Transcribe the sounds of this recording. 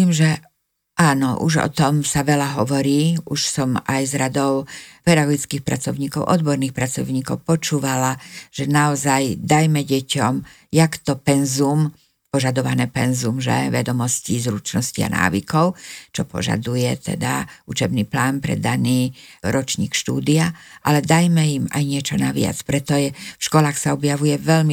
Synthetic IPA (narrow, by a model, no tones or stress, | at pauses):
iːmʒɛ | ʔaːnɔʔṵʒɔ̰t̪ɔmsaʋɛlaɦɔʋɔɾiːuʃsɔmajzɾad̪ɔʊpɛd̪aɡɔɡit͡skiːxpɾa̰t͡sɔʊɲiːkɔʊʔɔd̪bɔɾniːxpɾat͡sɔ̰ʊɲiːkɔʊpɔt͡ʃuːʋalaʒ̥ɛnaɔzajd̪ajmɛɟɛcɔm | jakt̪ɔpɛnzum | pɔʒad̪ɔʋanɛːpɛnzumʒɛ̰ʋɛd̪ɔmɔscizɾut͡ʃnɔscia̰nʔa̰ːʋḭkɔʊt͡ʃɔpɔ̰ʒa̰d̪ujɛt̪ɛ̰d̪a̰ut͡ʃɛbniːplaːnpɾɛ̰d̪aniːɾɔt͡ʃɲiːkʃt̪uːd̪iaʔalɛd̪ajmɛima̰jɲɪɛt͡ʃɔnaʋɪa̰t͡spɾɛt̪ɔjɛfʃkɔlaːxsaɔbjaʋujɛʋɛʎmi